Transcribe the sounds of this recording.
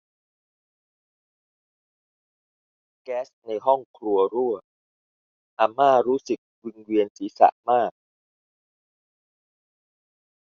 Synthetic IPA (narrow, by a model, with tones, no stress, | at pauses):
kɛː˦˥sna˧jɦɔ˥˩ŋkʰɾu˧ɐɾu˥˩ɐ | ʔa˧˩mːaː˥˩ɾuː˦˥sɯ˨˩k̚wi˧ŋwi˧ənsiː˩˦sa̰˨˩ʔmaː˥˩k̚